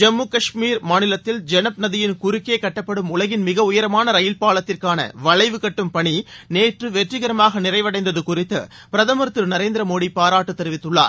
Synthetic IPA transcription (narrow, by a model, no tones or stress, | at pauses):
d͡ʒɐmːuːkɐʂmiːɾmaːnɪlɐt̪ːɪld͡ʒɛnɐp̚nɐðɪjɪnkʊɾɪkːeːkɐʈːɐpːɐɽɯmʊlɐɣɪnmɪɣɐʊjɐɾɐmaːnɐɾɐjɪlpaːɭɐt̪ːɪrkaːnɐ̰ʋɐɭɐɪʋɯkɐʈːɯmpɐɳineːʈrɯʋɛʈrɪɣɐɾɐmaːɣɐnɪrɐɪʋɐɽɐɪnd̪ɐðɯkʊrɪt̪ːɯ̰ | pɪɾɐðɐmɐɾt̪ːɯɾnɐɾeːnd̪ɪɾɐmoːɽipaːɾaːʈːɯt̪ːɛɾɯʋɪt̪ːɯɭːa̰ːɾ